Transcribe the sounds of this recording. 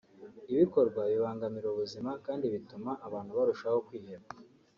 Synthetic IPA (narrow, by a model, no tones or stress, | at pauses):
iβiko̞ɾɡwaβiβaːŋɡamiɾoβuzimakaːndiβitumaʔːβaːn̥huβaɾuʃaho̞kwiːɦeβa